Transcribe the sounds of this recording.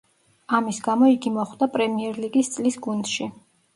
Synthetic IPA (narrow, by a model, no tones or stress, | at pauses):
amisɡamɔiɡimɔχd̪apʼɾɛmiɛɾliɡist̪sʼlisɡund̪̥ʃi